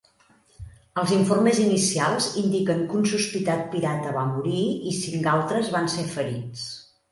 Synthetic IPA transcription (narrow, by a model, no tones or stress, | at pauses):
əlˠziɱformezinisialˠzind̪ikəŋkunsuspit̪at̪̚piɾat̪əβamuɾiisiŋkalˠt̪ɾəzβansefəɾit͡s